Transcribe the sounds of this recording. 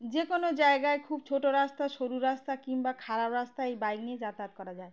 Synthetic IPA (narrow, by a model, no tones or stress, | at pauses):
d͡ʑekonod͡ʑaeɡaekʰub̚t͡ɕʰoʈoɾast̪aʃoɾuɾast̪akiŋbakʰaɾapɾast̪aejbajɡnied͡ʑat̪at̪̚kɔɾad͡ʑae